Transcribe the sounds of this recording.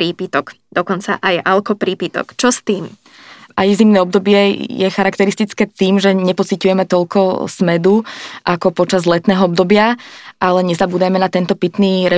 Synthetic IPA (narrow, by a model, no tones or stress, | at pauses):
ɾiːpit̪ɔɡ | d̪̥ɔkɔnt͡sa̰ʔajalkɔpɾiːpit̪ɔ̰kt͡ʃɔst̪iːm | ajzimnɛːɔbd̪ɔbɪɛjɛxaɾakt̪ɛɾist̪it͡skɛːt̪iːmʒɛɲɛpɔt͡sicujɛmɛt̪ɔʎkɔsmɛd̪uʔakɔpɔt͡ʃazlɛt̪nɛːɦɔɔbd̪ɔbɪaʔalɛɲɛzabuːd̪amɛnat̪ɛnt̪ɔpit̪niːɾɛ